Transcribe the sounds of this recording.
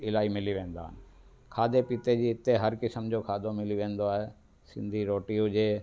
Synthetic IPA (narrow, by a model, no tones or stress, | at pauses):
ɪlaːimɪliʋẽːnd̪a̰ːɦɪnɪ̆ | kʰaːd̪epit̪ed͡ʑiːɪt̪ːeɦɐɾkɪsəmd͡ʑokʰaːd̪ʱomɪliʋẽːnd̪oaːɦe | sɪ̃nd̪ʱiɾoːʈiud͡ʑeː